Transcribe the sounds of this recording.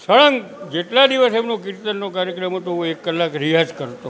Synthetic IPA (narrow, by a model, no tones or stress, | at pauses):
səɭəŋɡd͡ʒeʈlad̪iʋəsemnõkiɾt̪ənːokaɾjəkɾəmɦət̪ooekːəlːakɾiɦad͡ʒkəɾt̪o